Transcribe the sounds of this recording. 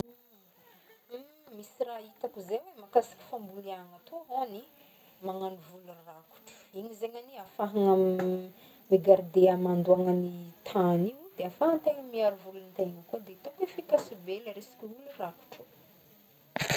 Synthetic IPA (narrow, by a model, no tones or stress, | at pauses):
mmisirait̪akuzewemakasi̥kʲi̥fambuliaŋat̪ʰuɦoni | maŋanivuluraku̥ʈ͡ʂu̥iɲizeɲaniafaɦaŋam | miɡaɾd̪eamand̪uaŋənit̪ʰaniwd̪̥eafaɦant̪eŋəmiaɾuvulunt̪eŋakod̪et̪okefikasubeləɾesi̥kʲuuluraku̥ʈ͡ʂu